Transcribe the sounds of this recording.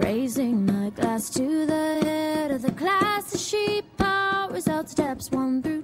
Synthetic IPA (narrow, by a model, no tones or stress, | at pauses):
ɹḛɪzɪ̃ŋmaɪɡlæstʰɨðəhɛɾʌvðɨkʰl̥æsəʃipʰːɑɹɨzʌʊtstɛpswʌ̃nθɹʉ